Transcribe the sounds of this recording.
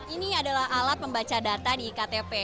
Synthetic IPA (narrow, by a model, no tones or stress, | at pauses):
iniadalaɦalat̪̚pːəmbat͡ʃadat̪adikat̪epɛ